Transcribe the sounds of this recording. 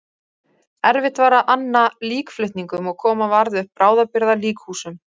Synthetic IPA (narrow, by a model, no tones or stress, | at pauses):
ɛɾvɪht̪vaːɾaʔanːaliːkflʏht̪niŋkʏmɔɣkʰɔːmavaɾðɪʏhpːɾaːwðapɪɾðaliːkhuːsʏm